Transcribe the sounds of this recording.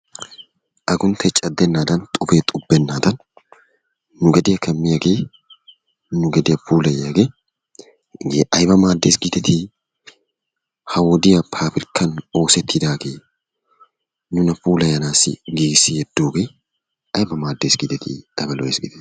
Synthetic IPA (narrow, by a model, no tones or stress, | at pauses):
ʔɐɡʊnt̪ʰɛt͡ʃʼɐd̪ːɛnːaːd̪ɐnt̪ʼʊfeːt̪ʼʊbːɛnːaːd̪ɐn | ʊɡɐd̪ɪjɐkʰɐmːɪjɐɡeː | nʊɡɐd̪ɪjɐpʰuːlɐjɐɡeː | ɡʔɐjbɐmaːd̪ːeːsɡɪd̪ɛt̪i | hɐwɔd̪ɪjɐpʰaːfɪɾkʰːɐno̞ːsɛt̪ːɪd̪aːɡeː | nʊnɐpuːlɐjɐnaːsɪ̰ɡiːɡɪsːɪjɛd̪ːoːɡeː | ɐjbɐmaːd̪ːeːsɡɪd̪ɛt̪ʰḭɐ̰jbɐlɔ̰eːsɡɪd̪ɛ